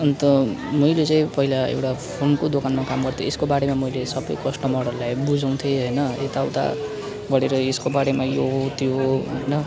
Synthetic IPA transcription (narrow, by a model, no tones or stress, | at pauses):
ʌnt̪ʌmʌjlet͡saĩpʌɦilaḛwʈapʰonkod̪okanmakamɡʌrt̪ʰjo̰eskobaɽemamʌjlesʌbʌjkʌsʈʌmʌɾʌlajbud͡zaw̃t̪ʰjeɦʌjnʌet̪awt̪a̰ | ɡʌɽeɾʌeskobaɽemajoɦot̪joʌjnʌ